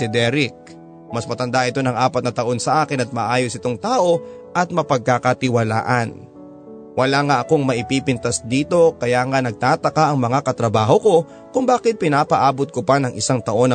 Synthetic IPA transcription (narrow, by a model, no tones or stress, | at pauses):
ɪd̪ɛɾɪk̚ | mɐsmɐt̪ɐnd̪aʔɪt̪o̞nɐŋʔaːpɐt̪̚nɐt̪ɐʔo̞nsɐʔaːkɪnɐt̪̚mɐʔaːjosɪt̪oŋt̪aːʔo̞ | ʔɐt̪̚mɐpɐɡ̚kakɐt̪ɪwɐla̰ːʔɐn | wʔɐlaːŋaʔɐko̞ŋmɐʔɪpiːpɪnt̪ɐsd̪iːt̪o̞kɐjaːŋanɐɡ̚t̪aːt̪ɐkaʔɐŋmɐŋakɐt̪ɾɐbaːhoko̞ | kʊŋbaːkɪt̪̚pɪnaːpɐʔaːbot̪̚kopanɐŋʔɪsaŋt̪ɐʔo̞nɐ